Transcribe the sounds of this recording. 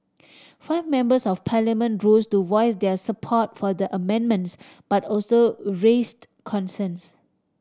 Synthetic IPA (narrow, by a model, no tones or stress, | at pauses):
faɪvmɛ̃mbəsɔfpʰalamə̃nɹostuvɔɪsdɛsəpʰɔt̚fɔdəʔəmɛ̃nmə̃nts | b̥atɔlsoɹest | kʰɔ̃nsə̃ns